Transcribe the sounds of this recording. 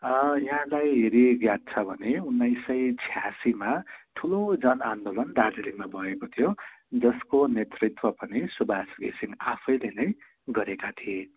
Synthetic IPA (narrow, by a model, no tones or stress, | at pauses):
jʌɦãlajɦeɾiɡjat̪̚t͡sʰʌbʱʌneunːajsʌjt͡sʰjasimaʈʰulod͡zʌnand̪olʌnɖaɖilimabʱʌekot̪ʰijod͡zʌskonet̪rit̪wʌpʌnisubʱasɡḛsiŋapʰʌjlenʌj | ɡʌɾekat̪ʰie